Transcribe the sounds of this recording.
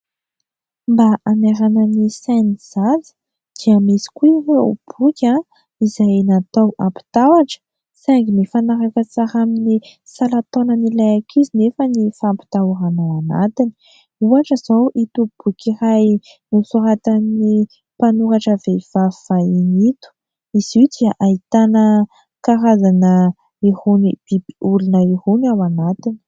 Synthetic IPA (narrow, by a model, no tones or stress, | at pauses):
mbaʔamaɾanənisajniz̥azə̥ | d̪̥iamisi̥kuiveṵb̥ukʲa | izajnat̪owampi̥t̪awaʈ͡ʂə̥ | saŋɡinifanaɾakət͡saɾaminisalat̪onənilajakʰizinefənifampi̥t̪aɾanawana̰t̪ini̥ | uaʈ͡ʂəz̥owʔit̪ub̥ukiɾaj | nusuɾat̪ani | panuɾaʈ͡ʂəvev̥avvainit̪u̥ | iz̥id̪̥iaʔait̪anə | kaɾazanə | ihunib̥ibiulinəihunawanat̪ini̥